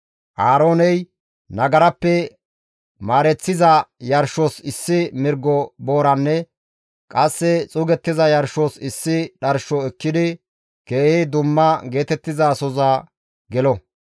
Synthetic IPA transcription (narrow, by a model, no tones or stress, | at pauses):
ʔaːɾo̞ːnɛj | nɐɡɐɾɐpːɛ | maːɾɛt͡sːɪzɐjɐɾʃosɪsːɪmɪɾɡːɔbo̞ːɾɐnːɛ | kʼɐsːɛt͡sʼʊɡɛt̪ːɪzɐjɐɾʃosɪsːɪɗɐɾʃɔɛkːɪd̪ɪ | ke̞ːhɪd̪ʊmːɐɡe̞ːt̪ɛt̪ːɪzasɔzɐ | ɡɛlɔ